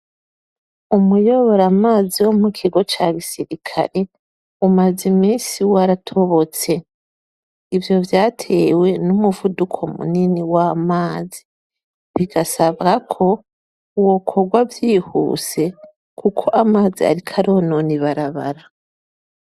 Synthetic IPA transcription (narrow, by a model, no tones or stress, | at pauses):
umujo̞βo̞ɾamaːziwo̞mukʰiɡo̞t͡ʃaɡisiɾikʰa̰ɾe̞ | umazimiːsiwaɾatʰo̞βo̞t͡se̞ | ivjo̞vjaːtʰe̞we̞numuvudukʰo̞mṵniniwamaːzi | βiɡasaβɡakʰo̞ | uwo̞kʰo̞ɡwavjiːhṵːse̞ | kʰukʰo̞ʔamaːzia̰ɾikʰaɾo̞noniβaɾaβa̰ɾa